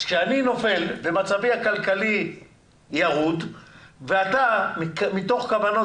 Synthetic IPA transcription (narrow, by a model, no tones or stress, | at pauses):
kʃeanino̞fe̞lbe̞mat͡savihakalkali | jaʁud̪veat̪ammit̪o̞χkavano